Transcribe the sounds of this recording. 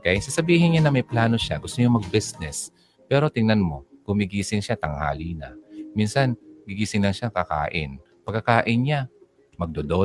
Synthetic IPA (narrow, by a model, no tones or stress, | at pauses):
kɐŋsasɐbiːhɪnɲanɐmɐjplaːno̞ʃaɡʊst̪oɲomɐɡ̚bisnɛs | pɛːɾo̞t̪ɪŋnɐnmo̞ɡ̥ʊmɪɡiːsɪŋʃat̪ɐŋha̰ːliːnɐ̰minsanɡiɡiːsɪŋlɐŋʃakɐka̰ːʔɪ̰n | pɐɡkːɐkaːʔɪnɲa | mɐɡ̚d̪od̪o